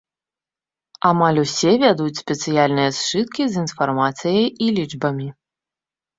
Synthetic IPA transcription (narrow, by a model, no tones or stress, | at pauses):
amalʲusʲɛvʲad̪ut͡sʲsʲpʲɛt̪sɨjalʲnɨjɐst͡ʂɨt̪̚kʲizinfarmat̪sɨjɐjilʲid͡ʐbɐmʲi